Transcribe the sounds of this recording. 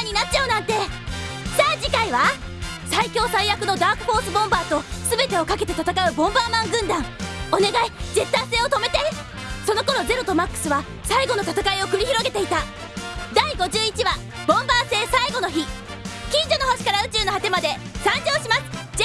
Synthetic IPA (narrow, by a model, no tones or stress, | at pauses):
ɲ̟ːinat̚t͡ɕaonãnt̪e̞ | saːd͡ʑikaiβa | saikʲo̞ːsaijakɯ̟no̞d̪aːkɯ̟ɸo̞ːsɨbõ̞mbaːt̪o̞sɨbe̞t̪e̞okake̞t̪e̞t̪at̪akaɯ̟bõ̞mbaːmãŋɡɯ̟̃nd̪ãŋo̞ne̞ɡaid͡ʑet̪ːãse̞ːo̞t̪o̞me̞t̪e | so̞no̞ko̞ɾo̞ze̞ɾo̞t̪omakːɯ̟̥sɨβa | saiɡo̞no̞t̪at̪akaio̞kɯ̟ɾʲiçiɾo̞ɡe̞t̪e̞it̪a | d̪aiɡo̞ʑɨːit͡ɕiβa | bõ̞mbaːse̞ːsaiɡo̞no̞çi | kʲĩɲd͡ʑo̞nohoɕi̥kaɾaɯ̟t͡ɕɨːnohat̪e̞mad̪e̞ | sãɲd͡ʑo̞ːɕimasɨ̥